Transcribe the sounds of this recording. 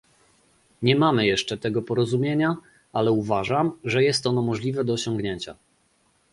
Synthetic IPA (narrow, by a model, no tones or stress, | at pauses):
ɲɛmamɘjɛʂt͡ʂɛt̪ɛɡɔpɔɾɔzumʲjeɲa | alɛuvaʐamʐɛjɛst̪ɔnɔmɔʐlʲivɛd̪ɔːɕɔŋɡɲeɲt͡ɕa̰